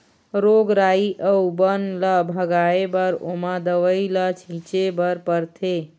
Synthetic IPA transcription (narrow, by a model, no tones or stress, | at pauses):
ɾoɡɾaiʔəubənləbʱəɡaebəɾomad̪əʋəilət͡ʃʰit͡ʃebəɾpəɾt̪ʰe